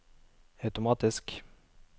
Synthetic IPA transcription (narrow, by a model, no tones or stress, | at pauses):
ɑʉt̪ʊmɑːt̪ɪsk